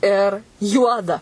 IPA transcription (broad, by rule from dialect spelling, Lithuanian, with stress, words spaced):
ɪr ˈjuɔdɐ